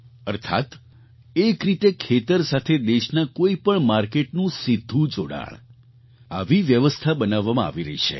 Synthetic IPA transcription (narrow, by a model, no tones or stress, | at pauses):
əɾt̪ʰa̰t̪ | ekɾit̪ekʰet̪əɾsat̪ʰed̪eʃnakoipəɳmaɾkeʈnũsid̪ʱːũd͡ʒoɽa̰ɭ | a̰ʋiʋjəʋəst̪ʰabənaʋːamãa̰ʋiɾəɦit͡ʃʰḛ